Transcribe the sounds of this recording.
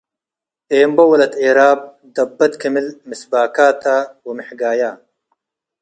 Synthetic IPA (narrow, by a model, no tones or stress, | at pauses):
eːmbɐwɐlɐt̪eːɾaːb̚ | d̪ɐbːɐt̪kʰɐmilmisbaːkaːt̪ʰaːwimɪħɡaːjaː